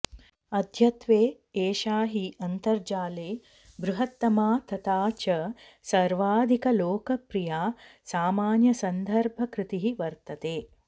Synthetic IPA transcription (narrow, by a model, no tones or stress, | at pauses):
ɐd̪ʱjɐt̪ʋeː | eːʃaːɦiɐnt̪ɐɾd͡ʒaːleː | bɾuɦɐt̪ːɐmaːt̪ɐt̪aːt͡ʃɐ | sɐɾʋaːd̪ʱikɐloːkɐpɾijaːsaːmaːnjɐsɐnd̪ʱɐɾbʱɐkɾɪt̪iɦiʋɐɾt̪ɐt̪eː